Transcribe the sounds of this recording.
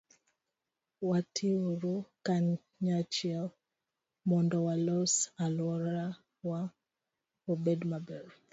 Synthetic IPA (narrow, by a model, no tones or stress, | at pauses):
watʰioɾokaɲ | ɲat͡ʃia | mɔndɔwalɔsalwɔɾa | wa | obɛdmabɛɾ